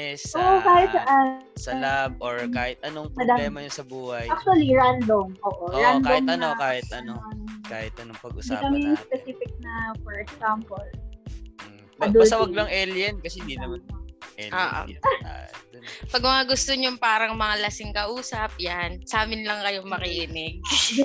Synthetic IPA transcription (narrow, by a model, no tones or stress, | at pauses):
ɛsoʔokaːhɪt̪̚sɐʔasɐlab̚oɹkaːhɪt̪̚ʔɐnoŋpɾɐd̪aːlɛːmɐjonsɐbuːhɐjak̚t̪uɐliɹand̪omʔoːʔoɾandk̪oɪmɐnokaːhɪt̪̚ɐnokaːhɪt̪ʔɐnoŋpɐɡʊsdaikɐmɛjʊŋspɛsifɪk̚nɐfɔɹɛksampol̩ | ɐd̪obɐsɐwɐɡlɐŋʔɛljɛnkɐsɛnd̪inɐmanɛo̰ːʔo̰ | pɐɡ̚mɐŋaɡʊst̪oɲʊŋpaːɾɐŋmɐŋalɐsɪŋkɐʔuːsɐp̚jansaːmɪnlɐŋkɐjoŋmɐkiʔɪnɪɡ̚